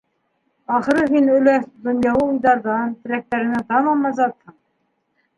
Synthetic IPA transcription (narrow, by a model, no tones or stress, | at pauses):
ɑχɤ̆ɾɤɦinɵ̆læd̪ŏnjɑwˠɤujðɑɾðɑnt̪ɘ̆ɾæk̚t̪æɾɘ̆næt̪ɑmɑmɑzɑt̪hɤɴ